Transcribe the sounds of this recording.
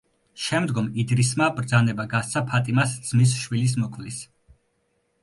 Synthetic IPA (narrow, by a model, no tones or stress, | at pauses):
ʃɛmd̪ɡɔmid̪ɾismabɾd̪zanɛbaɡast̪sʰapʰat̪ʼimasd̪z̥mis̬ʃwilis̬mɔkʰvlis